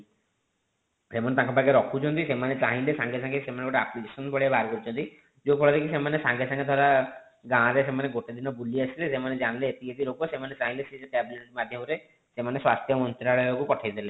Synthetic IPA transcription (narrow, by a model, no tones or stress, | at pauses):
semanet̪ãkɔpaɡeɾɔkʰut͡ʃʰɔnt̪isemanet͡ʃaɦĩlesãŋɡesãŋɡesemaneɡoʈeaplikesɔnbɔɭiabʱaɾkɔɾit͡ʃʰɔnt̪i | d͡ʒopʰɔɭɔd̪ekisemanesãŋɡesãŋɡed̪ʱwaɾa | ɡãɾesemaneɡoʈed̪inɔbuliasʰilesemaned͡ʒanleet̪iet̪iɾokosemanet͡ʃaɦĩlesid͡ʒekɛbiliʈiʈimad̪ʱjɔmɔɾe | semaneswast̪ʰjɔmɔnt̪ɾaɭɔjkupɔʈʰajd̪ile